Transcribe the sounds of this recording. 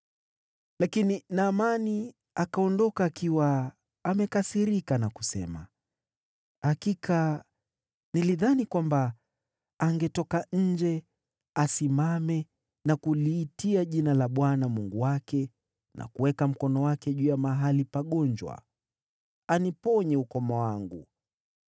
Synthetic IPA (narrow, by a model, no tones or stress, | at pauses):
lakininaːmani | akaɔndɔkaːkiwaː | mɛkasiɾikanaku̥sɛ̰ma̰ | hakikʰa | niliðanikwambaː | ŋɡɛtɔkaɲ̩d͡ʒɛ | asimamɛ | nakuliːtiaʄinalaɓwanamuŋɡuwakɛ | nʔa̰kuwɛkam̩kɔnɔwakɛʄuːjamaɦalipaɠɔɲd͡ʒwa̰ | anipɔɲɛukɔmawaŋɡu